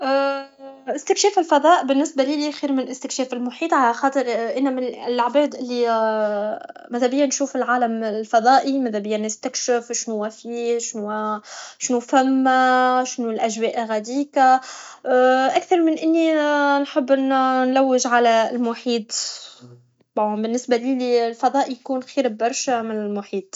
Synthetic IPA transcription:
ʔ | ʔɪst̪ɪkʃeːfɪlfɑd̪ˤɑːʔbɪnːɪsbaliliːʔxiːɾmɪnʔɪst̪ɪkʃeːfɪlmʊħiːt̪ˤʕalaxɑːt̪ˤɨɾʔɪnamɪnɪlaʕbeːd̪ʔɪlːi | maðabɪjːanʃuːfɪlʕaːlamlfɑd̪ˤɑːʔimaðabɪjːanɪst̪akʃɪfʃnuwafiːʃnu | ʃnufamːaʃnulʔæʒwɛːʔɣæd̪iːka | ʔakθɑɾˤmɪnʔɪnːinħɪbːʔɪnːnlawːɪʒʕalælmʊħiːt̪ˤ | babɪnːɪsbaliːlilfɑd̪ˤɑːʔijkuːnxiːɾbːɑɾˤʃamɪnɪlmʊħiːt̪ˤ

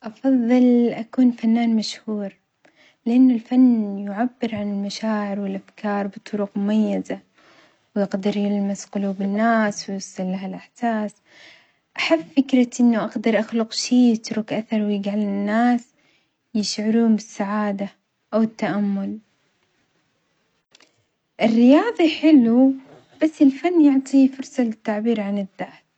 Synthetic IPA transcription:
ʔɑfɑðˤːɨlʔakuːnfanːaːnmaʃhuːɾ | lɪʔanːʊlfanːjʊʕabːɪɾʕanɪlmaʃaːʕɪɾwɪlʔafkɑːɾˤbɨt̪ˤʊɾʊqmʊmajːɪza | wjɪɡd̪ɑɾˤjɪlmasqʊluːbɪnːaːswjʊsalːaɦalʔaħsaːs | ʔaħabfɪkɾaʔɪnːʊʔaɡd̪ɑɾˤʔaxlʊqʃiːjɪt̪ɾʊkʔaθɑɾˤwɪjɪɡʕalɪnːaːs | jɪʃʕʊɾuːmbɪsːaʕaːd̪a | ʔawɪt̪ːaʔamːʊl | ʔɪrːɪjɑːðˤɑħɪlːu | b̥asːɪlfanːjʊʕt̪ˤifʊɾsˤɑlɪt̪ːaʕbiːɾʕanɪðːaʕθ

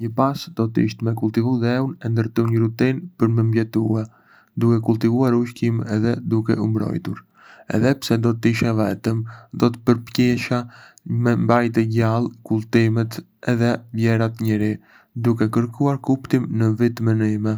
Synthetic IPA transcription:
ɲəpasd̪ɔt̪əḭʃt̪ɛmɛkulˠt̪ivuðɛunɛnd̪əɾt̪uɲəɾut̪inpəɾməmbjɛt̪uɛ | d̪ukɛkulˠt̪ivuaɾuʃcimɛðɛd̪ukɛ̰ʔumbɾɔ̰jt̪uɾ | ɛ̰ðɛpsɛd̪ɔt̪əiʃɛvɛt̪əmd̪ɔt̪ə̥pəɾpjɛʃa | mɛmbajt̪ɛɟalˠkulˠt̪imɛt̪ | ɛðɛvjɛɾat̪ɲəɾi | d̪ukɛkəɾkuaɾkupt̪imnəvit̪mənimɛ

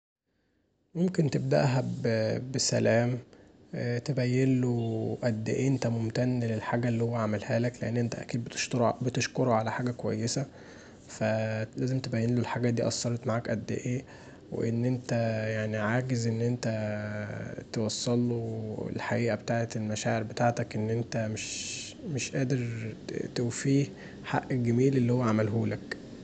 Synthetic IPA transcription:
momkent̪eb̚d̪æ̰ʔɦæbbesæ̰læːm | t̪ebæjːenloʔæd̪ːeʔeːʔent̪æmomt̪ænːlelħaːɡælːihowːæʕamælhæːlækleʔenːʔent̪æʔæ̰kiːd̪̚bet̪ʃt̪ɾbet̪eʃkoɾoʕalæħaːɡækowæ̰jːesæ | fælæːzemt̪ebæjːenlolħaːɡæd̪iːʔɑsˤːɑɾˤɑt̪maʕaːkʔæd̪ːḛʔeː | wḛʔḛnːʔent̪æjaʕniʕaːɡezʔenːʔent̪æ | t̪ewɑsˤːɑlːoḛlħaʔiːʔæbet̪aːʕet̪elmæʃaːʕeɾbet̪aːʕt̪ækʔenːʔent̪æmeʃ | meʃʔæːd̪eɾt̪ewfiːh | ħa̰ʔːelɡæmiːlelːihowːæʕamælɦuːlæk

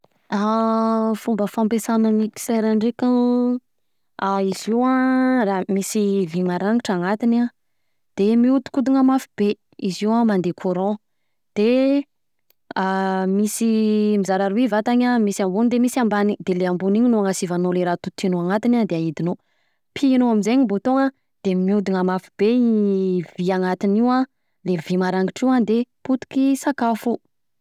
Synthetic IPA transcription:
a | fumbəfampesananiki̥seɾaɳɖ͡ʐeka | aiziwãramisivimaɾaŋiʈ͡ʂaŋat̪ina | d̪̥emiut̪u̥kud̪uŋəmafi̥b̥e | iziwamand̪ekʰoɾɔ̃ | d̪̥e | amisimizaɾaɾwevat̪aɲamisambunid̪emisambanid̪eleambuniɲinoaŋasivanoleɾat̪ut̪inoaŋat̪inand̪eaid̪ino | pʰiːnoaminzeɲimbot̪oŋa | d̪̥emiud̪iŋamafi̥b̥eiviaŋat̪iniwã | levimaɾaŋɡiʈ͡ʂiwand̪eput̪i̥kisakafu

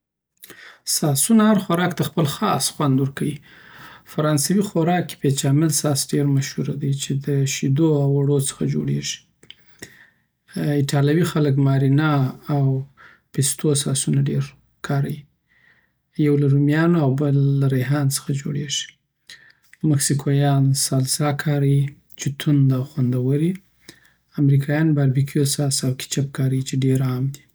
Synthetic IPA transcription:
sɑsunahaɾxʊɾɑkt̪axpəlxɑ̰sxwand̪wəɾkawi | faɾɑnsawixʊɾɑki̥pet͡ʃɑmɪlsɑsɖeɾmaʃhuɾad̪ejt͡ʃed̪əʃid̪oawːaɽot͡sə̥xad͡ʒo̰ɽeʒi̥ | ɪʈɑlawixaləkmɑɾinɑaw | pɪst̪osɑsunaɖeɾ | kʰɑɾa̰ji | jawlaɾumjɑnoawbəlːaɾeɦɑnsə̥xad͡ʒo̰ɽeʐi̥ | mɪksikʰojɑnsɑlsɑkʰɑɾaji | t͡ʃet̪ʰʊnd̪awxwand̪awəɾi | amɾikɑjɑnbaɾbikʰjosɑsawki̥t͡ʃap̚kɑɾait͡ʃeɖeɾɑmd̪i̥

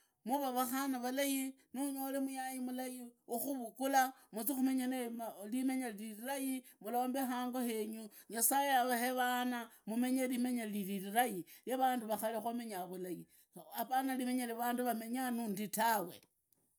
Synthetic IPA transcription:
muβaβaxanaβalaji | nuɲolemujajimulajiuxuβukulamut͡sixumeɲanelimeɲaliilajimuloːmbexaːŋɡoheɲu | ɲasajeβaheβanamume̞ɲelimeɲalililiɾajiljaβaːnduβaxalixume̞ɲaβulaji | aβanalimeɲeleβaːnduβame̞ɲanuːnditawe̞̰

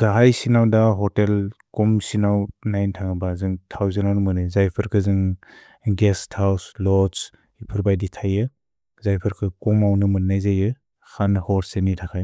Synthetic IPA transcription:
ɡ̥aɦajsinawdaɦɔtelkɔmsinawnajntʰaŋɯbazɯŋtʰawzenanmɯnɯzajpʰɯɾkʰɯzɯŋ | ɡestʰawslɔs | ipʰɯɾbajditʰajɯ | zajpʰɯɾkʰɯkɔmawnɯmɯnːajzajɯ | kʰanhɔɾsenitʰakʰaj

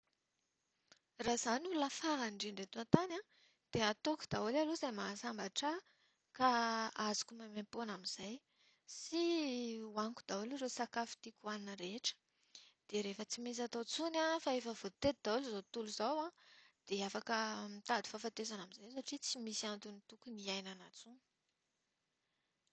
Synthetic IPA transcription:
razanulafaɾanɳɖ͡ʐeɳɖ͡ʐet̪oat̪ana | d̪̥eat̪oku̥d̪aulalozajmasambaʈ͡ʂa | kaazi̥kʲumamamponamiz̥aj | siwaŋkud̪̥auliɾesakafi̥t̪ikʲuaninəɾeʈ͡ʂə̥ | d̪̥eɾefət͡simis̬at̪ot͡sunafaefəvot̪et̪id̪aulizot̪uluzawad̪̥eafakəmit̪ad̪i̥fafat̪ezanamizajsaʈ͡ʂit͡simisiant̪unit̪ukuniajnanat͡sun̥

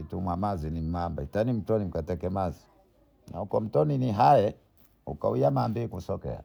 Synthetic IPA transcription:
itumwamazinimambɛ̰tanim̩tɔnim̩katɛkɛmazi | na̰hukɔm̩tɔniniɦajɛ | ṵkaujamaːmbikusɔkɛ̰a̰

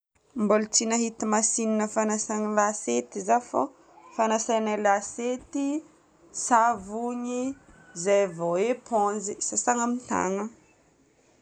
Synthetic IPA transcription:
mbolut͡sinaɦit̪imasininəfanasaŋilaset̪izafo̰ | fanasanalaset̪i | savuɲi | zajvoepʰonzisasaŋamint̪a̰ŋə

